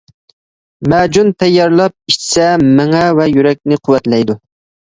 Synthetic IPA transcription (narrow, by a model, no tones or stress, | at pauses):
mæd͡ʒunt̪ʰɛjːɑɾlˠɑp̚iʃt͡ʃʰɪ̥sɛmɪŋɛvɛjyɾɛk̚ʲnɪqʰʊwɛt̪lɛjd̪u